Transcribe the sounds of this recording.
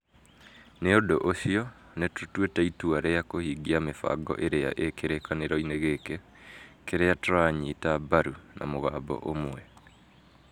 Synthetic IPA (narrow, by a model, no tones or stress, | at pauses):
neodoʔoɕiɔ | netotwetaituaɾɛjakohiːɡiamefa̰ɡɔ̰ʔeɾea̰ʔekeɾekaneɾɔineɣeke | keɾeatoɾaɲitabaɾunʔa̰moɣaːbɔ̰ʔomwɛ